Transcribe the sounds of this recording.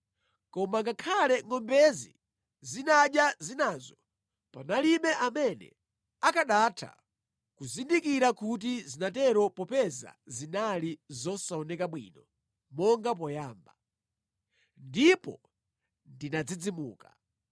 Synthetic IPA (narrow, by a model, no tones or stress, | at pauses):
kɔmaŋɡakʰalɛŋɔmbɛzḭ | zinaɗjazinazɔ | panalimɛʔamɛnɛ̰ | akaɗatʰa̰ | kuzindikiɾakut̬izinatɛɾɔpɔpɛza̰zinalizɔsaɔnɛkaɓwḭːnɔ | mɔŋɡap̬ɔjaːmba | ndipɔ̰ | ndinad͡zid͡zimṵːka